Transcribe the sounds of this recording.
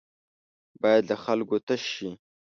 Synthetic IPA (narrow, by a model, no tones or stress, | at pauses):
bɑjad̪laxalɡot̪aʃi